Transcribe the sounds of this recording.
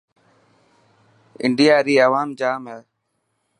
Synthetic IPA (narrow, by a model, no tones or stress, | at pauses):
ɪ̰ɳɖɪjaːɾiːəʋaːmd͡ʒaːmɦɛː